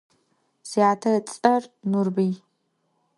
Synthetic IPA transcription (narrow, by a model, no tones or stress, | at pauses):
z̥iaːtʰɐrɐt͡sʼɐrnurbij